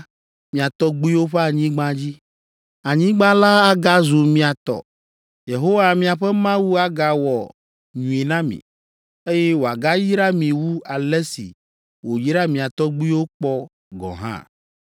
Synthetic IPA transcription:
mĩ˨a˨t̪ɔ˦ɡ͡bu˦i˦wo˦ɸe˦a˨ɲĩ˦ɡ͡bã˦d͡ʑi˦ | a˨ɲĩ˦ɡ͡bã˦la˦a˦ɡa˦zu˨mĩ˨a˨t̪ɔ̰˨ | je˨ɦo˦wa˨mĩ˨a˨ɸɛ˦mã˦wu˦a˦ɡa˨wɔ˨ | ɲũ˨e˨nã˦mḭ̃˨ | e˦jɛ˦wo˨a˨ɡa˦ji˦ɾa˦mĩ˨wu˦a˨lɛ˦sḭ˨ | wo˨ji˦ɾa˦mĩ˨a˨t̪ɔ˦ɡ͡bu˦i˦wo˦k͡pɔ˦ | ɡɔ̰̃˨ɦã̰˦

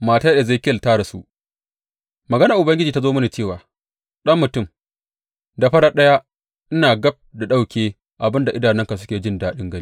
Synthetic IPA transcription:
maː˨ta˦ɗeː˨za˦˨kʲltaː˦ɽa˨sṵ˦ʔ | mɐ˨ɡɐ˦naː˨ʔʊ˨bɐ˦ŋɡʲɪ˦d͡ʒiː˨ta˦zoː˦mɐ˦niː˨t͡ʃeː˦˨waː˨ | ɗɐ˦mːʊ˨tʊ˦˨m | da˨ɸɐ˦ɽaː˦ɗɐ˦ja˦ | ʔɪ˦naː˨ɡɐ˦b̚da˨ɗa˦wkʲeː˦ | ʔa˨bɪ˦nda˨ʔɪ˦daː˨nɪ˦ŋka˨s̬ʊ̥˦kʲeː˨d͡ʒɪ˦ndaː˦ɗɪ˦ŋɡɐ˦ni˦

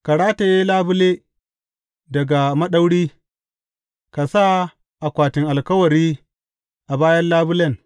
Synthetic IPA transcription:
ka˨ɽaː˦ta˨jeː˦laː˦bʊ˦leː˦ | dɐ˨ɡa˨mɐ˦ɗa˦wɽiː˦ | ka˨sa˦ | ʔa˨kʷaː˨tɪ˨ŋʔa˨lkɐ˦wɐ˨ɾiː˦ | ʔa˨baː˦jɐ˦nlaː˦bʊ˦lɐ˦ŋ

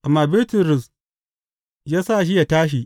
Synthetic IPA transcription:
ʔa˨mːaː˨bɪ˦rtʊ˨ɾʊ˨s | jaː˦sa˦˨ʃ̬i˦ja˨taː˦ʃ̬i˨

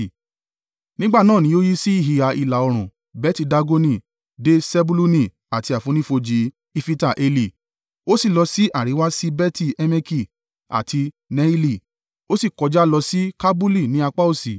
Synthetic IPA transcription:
nĩ˦ɡ͡ba˦˨nãː˦˨nĩ˨˦o˦ji˦si˦i˦˨ɦi˨˧a˧i˨la˨ɔ˧ɾ̃ũ˨ | bɛ˦ti˧da˧ɡo˧nĩ˧˨ | de˦sɛ˦bu˦lu˦nĩ˧˨ | a˨ti˧a˨fũ˧˦nĩ˦fo˧d͡ʒi˧ | i˧fi˦ta˦˨ʔe˧li˨ | o˦si˦˨lɔ˧si˦ʔa˦˨ɾi˨˦wa˦si˦bɛ˦ti˦˨ɛ˧me˧ki˦˨ | a̰˨tʰi˧ | nɛ˧˦i˦li˦˨ | o˦si˦˨kɔ˨˧d͡ʒa˦lɔ˧si˦ka˦bu˦li˦˨nĩ˨˦a˧k͡pa˦u˦˨si˨

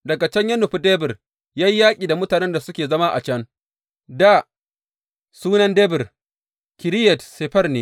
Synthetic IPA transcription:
dɐ˨ɡa˨t͡ʃɐ˦ɲjɐ˦nʊ˨ɸu˦dɛ˦bɪ˨r | jaː˦ji˦jaː˦kʲʼiː˨da˨mʊ˦taː˨nɛ˦nda˨sʊ˦kʲeː˨zɐ˦ma˦ʔa̰˨t͡ʃɐ˦n | da˦˨ | suː˦nɐ˦ndɛ˦bɪ˨r | kʲɪ˨ɾɪ˦jɛ˨tse˨ɸɐ˦rneː˦

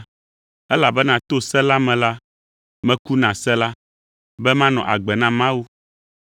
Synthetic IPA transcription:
ɛ˦la˨bɛ˦nã˨t̪o˦sɛ˦la˦mɛ̃˨la˦ | mɛ̃˦ku˦nã˨sɛ˦la˦ | bɛ˦mã˦nɔ̃˨ʔa̰˨ɡ͡bɛ˨nã˦mã˦wu˦

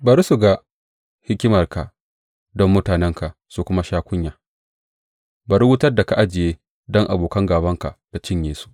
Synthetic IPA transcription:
bɐ˨ɾu˦su˨ɡa˨ | hɪ˦kʲɪ˦mɐ˨rka˨ | dɔ˦mːʊ˦taː˨nɛ˦ŋka˨ʔ | su˨kʷʊ˦ma˦ʃaː˦kʷʊ˦ɲjaː˨ | bɐ˨ɾwʊ˦tɐ˦rda˨ka˨ʔa˦d͡ʒɪ˨jeː˦ | dɔ˦ŋʔa˨boː˨kɐ˦ŋɡaː˨bɐ˦ŋka˨ʔta˨t͡ʃɪ˦ɲjeː˨su̥˦ʔ

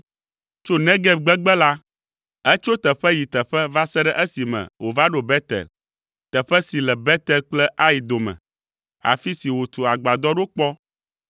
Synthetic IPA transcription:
t͡ʃo˦nɛ̃˦ɡɛ˦ɡ͡bɛ˦ɡ͡bɛ˦la˦ | ɛ˦t͡ʃo˦t̪ə˨ɸɛ˦ji˨t̪ɛ˨ɸɛ˦va˦sɛ˦ɖɛ˦ʔɛ˦si˨mɛ̰̃˨wo˨va˦ɖo˨bɛ˦t̪ɛ̰˨l | t̪ɛ˨ɸɛ˦si˨lɛ˨bɛ˦t̪ɛ˨lk͡plɛ˦ʔa˦ji˨d̪o˨mɛ̰̃˨ | a̰˨fi˦si˨wo˨t̪u˨a˨ɡ͡ba˨d̪ɔ˦ɖo˦k͡pɔ˦

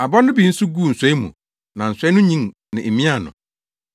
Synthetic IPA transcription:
a˨bɔ˦nʊ̃˦bi˨n̩˦su˦ɡu˦˨n̩˨sɛ˦i˦mṵ̃˨ | nã˨n̩˨sʷɛ˦nʊ̃˦ɲĩ˦ŋnɪ̰̃˨e˨mĩ˦a˦˨nʊ̰̃˨

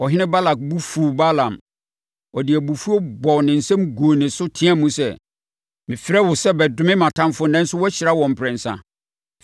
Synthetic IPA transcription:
ɔ˨ɦɪ̃˦nɪ̃˦ba˦la˨k̚bu˦fu˨ba˦lã˨m | ɔ˨dɪ˨æ˨bu˨fu˦o˦bɔ˨wnɪ̃˨n̩˨sɛ̃˦mɡoː˨nɪ̃˨sʊ˦tʰĩ˦ã˦mũ˦sɛ̰˨ | mɪ̃˨fɪ˦ɾɛ˦wʊ˨sɛ˦bɛ˨dʊ̃˨˦mɪ̃˦mã˨tʰã˦mfʊ˦nɛ̃˦n̩˦sʊ˦wɔ˦ɕɪ˨ɾa˦wɔ̃˨m̩˨pʰɾɪ̃˨n̩˨sã̰˦

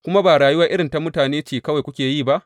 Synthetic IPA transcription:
kʷʊ˦ma˦baː˨ɽaː˨jʊ˦wɐ˦rʔɪ˦ɽɪ˨nta˨mʊ˦taː˨neː˦t͡ʃiː˨kɐ˦wa˨jkʷʊ˦kʲeː˨jiː˦˨ba˦ʔ

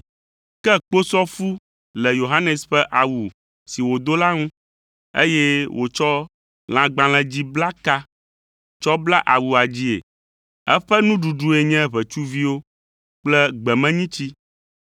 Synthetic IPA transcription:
kɛ˦k͡po˦sɔ˦fu˦ | lɛ˨jo˨ɦa˦nɛ˨sɸɛ˦ʔa˨wu˨ | si˨wo˨d̪o˦la˦ŋũ˦ | ḛ˦jɛ˦wʔo˨t͡ʃɔ˦ | l̃ã˨ɡ͡bã˨lɛ̃˨d͡ʑi˦bla˦ka˦ | t͡ʃɔ˦bla˦ʔa˨wu˨a˨d͡ʑi˦ḛ˨ | ɛ˦ɸɛ˦nũ˦ɖu˨ɖu˨˦e˨ɲɛ̃˦βɛ˨t͡ʃu˦vi˦wo˦ | k͡plɛ˦ɡ͡bɛ˨mɛ̃˦ɲĩ˦t͡ɕi˦

